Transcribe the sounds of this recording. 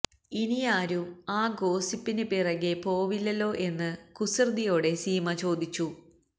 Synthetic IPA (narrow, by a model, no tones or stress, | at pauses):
inijaːɾumaːɡo̞ːsipːinɨpirɐɣepo̞ːʋilːɐlːo̞ːʔe̞nːɨkusird̪ijo̞ːɽe̞siːmɐt͡ɕo̞ːd̪it͡ɕːu